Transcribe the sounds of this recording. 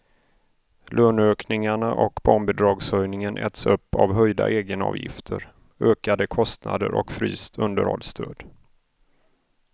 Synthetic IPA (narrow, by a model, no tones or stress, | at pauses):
lʔøːnøːknɪŋaɳaʔɔkbɔːɳbɪd̪ɾɑːɡsœjnɪŋənʔɛ̰t̪sɵpːavɦœjd̪a̰ʔeːɡənɑ̰ːvjɪ̰ft̪ʰəɾ | øːkad̪əkʰɔst̪na̰d̪əɾɔ̰kfɾy̰ːst̪ʰɵnd̪əɾhɔ̰lst̪ʰøːd̪